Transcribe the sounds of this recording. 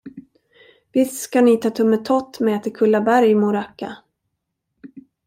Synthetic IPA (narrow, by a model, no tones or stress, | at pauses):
vɪsskanɪt̪ʰɑːt̪ʰɵmːət̪ʰɔt̪ːmɛɛːt̪əɾkʰɵlːabæɾjmʊɾakːa